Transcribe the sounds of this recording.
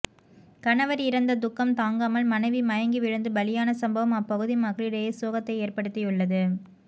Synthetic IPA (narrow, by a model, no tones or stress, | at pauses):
kɐɳɐʋɐɾɪɾɐnd̪ɐd̪ʊkːɐmt̪aːŋɡaːmɐlmɐnɐɪʋimɐjɐŋɡiʋɪɻɯnd̪ɯbɐlɪjaːnɐsɐmbɐʋɐmɐpːɐɣɯðimɐɣɭɪɽeːɐsoːɣɐt̪ːɐɪeːrpɐɽɯt̪ːɪjɯɭːɐðɯ